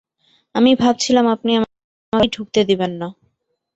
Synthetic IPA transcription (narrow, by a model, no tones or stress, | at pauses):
amibʱab̚t͡ɕʰilamapniam | maɖʱuk̚t̪ed̪ibenːa